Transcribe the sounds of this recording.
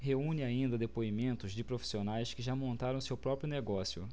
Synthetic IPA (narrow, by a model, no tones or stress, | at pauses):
ɦeũɲɪaĩnd̪ɐd̪epoimẽnt̪ʊzd͡ʒɪpɾofi̥sionajskɪʒamõnt̪aɾɐ̃w̃sewpɾɔpɾjʊneɡɔsjʊ